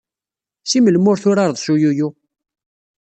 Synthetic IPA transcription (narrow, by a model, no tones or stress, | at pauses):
siməlmʊɾθʊɾɑɾˤðˤsujuju